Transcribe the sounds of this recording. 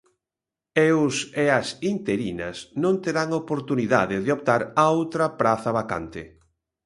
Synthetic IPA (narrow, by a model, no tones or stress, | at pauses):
eʊseɐsint̪eɾinɐsnõnt̪eɾaŋopoɾt̪uniða̰ðɪðeop̚t̪aɾaowt̪ɾɐpɾaθɐβaka̰nt̪ɪ̰